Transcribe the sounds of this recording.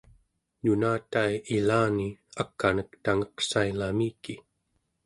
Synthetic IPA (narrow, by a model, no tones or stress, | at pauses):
nunaːt̪aiilaːniakːanəkt̪aŋʌqsailamiːki